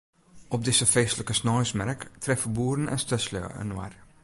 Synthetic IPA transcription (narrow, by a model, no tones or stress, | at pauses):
ɔp̚dɪsəfeːsləkəsnɔjsmɛɾktʰrɛfəbuːɾən̩ɛ̰nstœslø̰ə̰nwa̰r